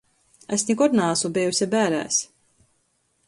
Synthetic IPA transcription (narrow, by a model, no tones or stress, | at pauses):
esnʲikɔɾnaːsubʲɛjusʲɛbæːɾæ̰ːs